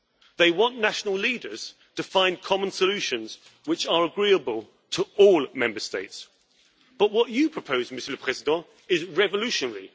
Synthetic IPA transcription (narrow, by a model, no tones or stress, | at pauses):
ðeɪwɒ̃nːaʃənəlˠliːdəz̥ | tʰəfãɪ̃nkʰɒmə̃nsəlʉˑʃə̃nz̥ | wɪt͡ʃəɹəɡɹiːəbəlˠ | tʰəɔːlˠmɛ̃mbəsteɪts | b̥ʌʔwɒt͡ʃəpʰɹ̥əpʰəʊzmɪsələpʰɹ̥ɛzɪdɑ̃ | ɪzɹɛvəlʉˑʃənəɹi